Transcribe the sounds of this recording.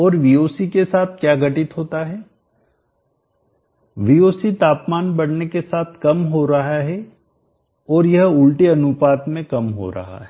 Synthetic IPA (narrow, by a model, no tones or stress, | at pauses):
ɔːɾʋioːsikesaːt̪ʰkjaːɡɐʈɪt̪ɦoːt̪aɦɛː | ʋioːsit̪aːpmaːnbɐɽnekesaːt̪ʰkɐmɦoɾɐɦaɦɛ | ɔːɾjɐɦʊlʈeɐnʊpaːt̪mẽkɐmɦo̰ɾɐ̰ɦa̰ɦɛː